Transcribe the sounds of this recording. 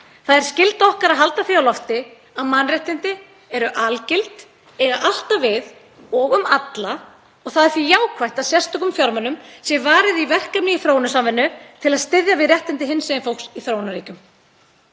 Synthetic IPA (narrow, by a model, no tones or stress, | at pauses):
θaðɛɾ̥scɪlt̪ɔhkaɾaðɦal̪t̪aθiawlɔft̪ɪ | aðmanrɛht̪ɪnt̪ɪ | ɛɾʏʔalcɪlt̪ | ɛɾʏʔal̥t̪avɪð | ɔɣʏmat̪la | ɔɣθaðɛɾθijaːwkʰvajht̪asjɛrst̪ʏkʏmfjɔɾmanʏmsjɛvaːɾɪðivɛr̥kapniiθɾoːwnasamvɪnːʏt̪ʰɪlaðst̪ɪðjavɪðɾrjɛht̪ɪnt̪ɪɦɪnsɛɪnfow̪ksiθɾoːwnaɾiːcʏm